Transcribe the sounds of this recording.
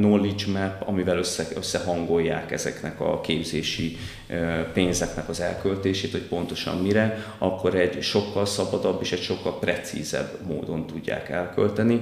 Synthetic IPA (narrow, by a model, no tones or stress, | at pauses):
nolit͡ʃmɛpːɒ̰mivɛløsːɛøsːɛɦɒŋɡo̞jːa̰ːkɛ̰zɛ̰knɛkɒ̰keːbzeːʃi | peːnzɛknɛkɒzɛlkølt̪eːʃeːt̪ho̞c̚po̞nt̪o̞ʃɒ̰mːiɾɛ | ɒkːo̞ɾɛɟʃo̞kːɒlsɒbɒd̪ɒbːeːʃɛcʃo̞kːɒlprɛt̪sḭzɛ̰bːmo̰ːd̪o̞nt̪uɟːa̰ːkɛlkølt̪ɛni